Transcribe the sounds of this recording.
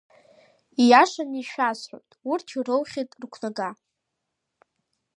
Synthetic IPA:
ijaʂaniʃᶣasħʷo̰jtʼurtʰirowχʲitʼrkʷʰnaɡa

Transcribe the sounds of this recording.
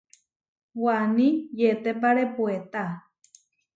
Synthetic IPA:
wanĩjet̪epaɾepuet̪a

